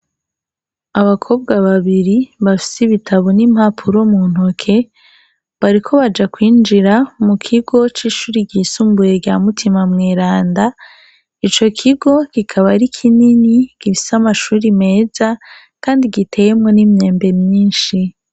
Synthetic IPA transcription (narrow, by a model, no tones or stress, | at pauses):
aβakʰo̞ːb̚ɡaβaβiɾiβafi̥siβitʰaβonimhapʰuɾo̞muːn̥hokʰe̞ | βaɾikʰo̞βad͡ʒakwiːnd͡ʒiɾamukʰiɡo̞t͡ʃiːʃuːɾiɟiːsuːmbuje̞ɟaːmutʰimamŋeːɾaːnda | it͡ʃo̞kʰiɡo̞kikʰaβaɾikʰininikifi̥samaʃuːɾime̞ːza | kaːndiɡitʰe̞je̞mŋo̞nimɲe̞ːmbe̞mɲiːnʃi